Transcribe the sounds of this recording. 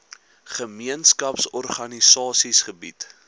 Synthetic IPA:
χəmiənskɐpsɔrχɐnisɑːsisχəbḭt

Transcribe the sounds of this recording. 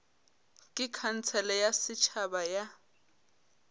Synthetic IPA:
kʼɪkʰan̩t͡sʰɛlɛjasɪt͡ʃʰabaja

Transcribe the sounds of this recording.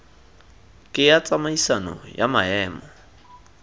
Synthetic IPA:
kʼɪjat͡sʼamaisanɔ̰jamaɛːmɔ

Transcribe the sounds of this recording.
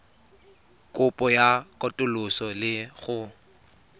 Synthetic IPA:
kʼʊpʼɔjakʼɔtʼʊlʊsɔlɪɣʊ

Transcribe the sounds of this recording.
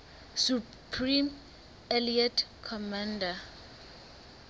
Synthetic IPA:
su | pʰrim | aliatkʰɔmãnda

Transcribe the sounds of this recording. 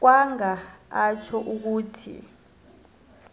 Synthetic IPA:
k̬waŋaat͡ʃʰɔʔuk̬uːtʰḭ

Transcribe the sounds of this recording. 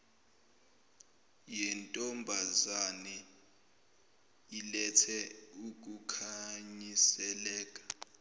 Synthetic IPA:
jɛntʼɔmbʱazanɛ | ilɛtʰɛuk̬ukʰaɲisɛlɛːk̬ʼḁ

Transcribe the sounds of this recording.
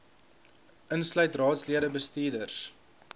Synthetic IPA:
ʔənslœɥtrɑːtsliəɾəbəstiːdərs

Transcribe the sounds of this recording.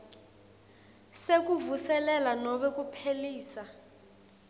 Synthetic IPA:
sek̬uvusɛlɛlanɔɓɛk̬ʼupʰeliːsa

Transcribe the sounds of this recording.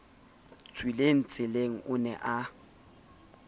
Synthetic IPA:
t͡sʼwileŋ̩t͡sʼɪleŋ̩ʊnɛ̰ʔa

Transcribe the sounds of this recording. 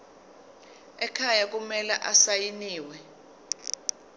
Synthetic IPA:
ɛkʰajak̬umɛlɛʔasajiniːwɛ

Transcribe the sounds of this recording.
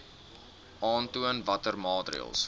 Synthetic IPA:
ʔɑːntuənvɐtərmɑːdrḭə̰lˠs

